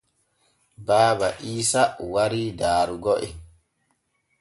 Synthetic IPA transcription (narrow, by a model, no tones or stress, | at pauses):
baːbaʔiːsawaɾidaːɾuɡɔʔɛ